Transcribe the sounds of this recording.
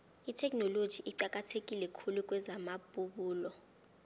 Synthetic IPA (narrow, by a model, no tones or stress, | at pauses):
itʰɛk̬ʼnolod̥ʒ̥ʱiʔiǃak̬ʼatʰek̬ʼilɛkʰuluk̬ʼwɛzamaɓʼuɓuːlɔ